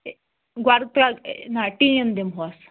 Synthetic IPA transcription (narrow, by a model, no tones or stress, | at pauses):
ɡwaɾt̪anaʈiənd̪emɦoas